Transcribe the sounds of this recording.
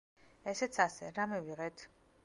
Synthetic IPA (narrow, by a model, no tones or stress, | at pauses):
ɛsɛt̪sʰasɛɾamiviʁɛt̪ʰ